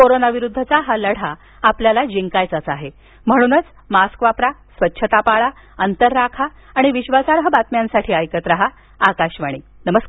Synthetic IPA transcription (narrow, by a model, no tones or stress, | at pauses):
koɾonaʋiɾud̪ʱːət͡saɦaləɽ̤a | apljalad͡ʑiŋkajt͡sat͡saɦe | m̤əɽ̃uːnət͡s | maskʋapɾasʋətːɕʰət̪apaɭa | ənt̪əɾːakʰaː | ɽ̃iʋiɕʋasaɾɦəbat̪mjansaʈʰiːajkət̪ɾaɦa | akaɕʋaɽ̃iːnəməsk